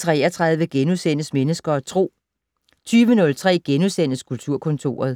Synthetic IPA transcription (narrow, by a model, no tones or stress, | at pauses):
t͡sʰʁɛːɐt͡sʰʁɑ̈ð̞ˠʋəɡ̥enusenəsmenəsɡ̥ɐɒt͡sʰʁo̝̰ː | t͡sʰyːʋənɔ̽lt͡sʰʁɛ̰ːɡ̥enuðˠsen̰əskʰult͡sʰuɐ̰kʰɔ̽nt͡sʰo̝̰ːɐð̞̩ˠ